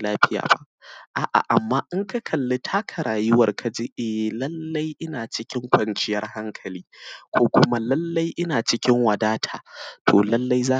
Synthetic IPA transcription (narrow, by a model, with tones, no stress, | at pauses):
laː˦ɸɪ˦ja̰ː˨ba̰˦ʔʔaː˨ʔa̰˨ʔa˨mːaː˦ʔɪ˦ŋka˦kʰɐ˨lːe˦tʰaː˦kʰɐ˨ɾaː˨jɪ˦wɐ˨rkʰa˨d͡ʒeː˦ʔɛ˨lɐ˦lːɐ˦jʔɪ˦naː˨t͡ʃɪ˦kʲɪ˦ŋkʷɐ˨nt͡ʃɪ˦jɐ˦rha˦ŋkʰɐ˨liː˦kʷoː˦kʷʊ˦ma˦lɐ˦lːɐ˦jʔɪ˦naː˨t͡ʃɪ˦kʲɪ˦ŋwɐ˨daː˦tʰaː˨tʰoː˨lɐ˦lːa˦jzaː˦